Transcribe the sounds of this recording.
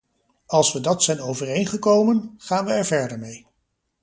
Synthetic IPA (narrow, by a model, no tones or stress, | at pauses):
ɑlˠsʋədɑtsɛjnowvərejnχəkowmənχaːnʋəɛɹvɛɹdəɹmej